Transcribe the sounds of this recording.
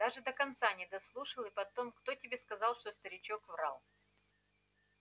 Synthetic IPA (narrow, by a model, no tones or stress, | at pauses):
d̪̥aʐɨd̪əkɐnt̪sanʲɪd̪ɐslˠuʂɨlˠɨpɐt̪o̞mkt̪o̞tʲɪbʲe̞skɐzɑlˠʂt̪ost̪əɾʲɪt͡ɕo̞kvra̰lˠ